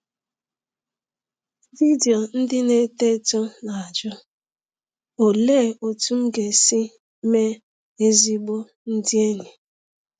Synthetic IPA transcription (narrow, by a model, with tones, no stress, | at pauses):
vi˦di˨o˨n̩˦dɪ˦ne˦te˦tɔ˦na˨a˨d͡ʒʊ˦ | o˨le˦˨o˨tu˦m̩˦ɡe˨si˦ | me˦ | e˦zi˦ɡ͡bo˦ | n̩˦dɪ˦e˦ɲe˨